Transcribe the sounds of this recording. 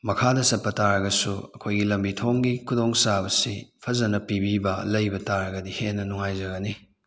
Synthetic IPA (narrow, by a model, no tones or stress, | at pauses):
mɐkʰadɐsɐt̚pɐtaɾɐɡɐsuɐkʰojɡilɐmbitʰoŋɡikʰudoŋsabɐsipʰɐzɐnɐpibibɐlɐjbɐtaɾɐɡɐdihenːɐnuŋajzɐɡɐni